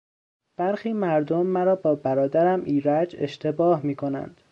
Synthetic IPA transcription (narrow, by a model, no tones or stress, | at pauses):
b̥æɾxiːmæɾd̪omːæɾɒːbɒːbæɾɒːd̪æɾæmʔiːɾæd͡ʒe̞̰ʃt̪ʰe̞bɒːhmiːkʰo̞næ̰nd̪̥